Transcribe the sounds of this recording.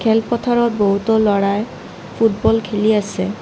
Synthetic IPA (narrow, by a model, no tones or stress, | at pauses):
kʰɛlpɔtʰaɹɔt̚boɦutɔlɔɹaj | pʰutbɔlkʰeliasɛ